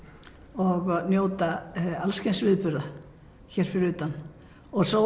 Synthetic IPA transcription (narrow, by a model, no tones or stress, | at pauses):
ɔɣnjoːwt̪aalscensvɪðpʏɾða | çɛːɾ̥fɪɾɪɾʏːt̪an | ɔɣso